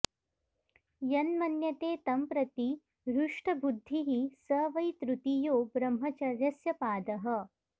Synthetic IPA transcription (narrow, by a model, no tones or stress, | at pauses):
jɐnmɐnjɐt̪eːt̪ɐmpɾɐt̪i | ɾuʂʈɐbud̪ʱːiɦisɐːʋɐjt̪ɾut̪ijoːbɾɐmɦɐt͡ʃɐɾjɐsjɐpaːd̪ɐɦɐ̆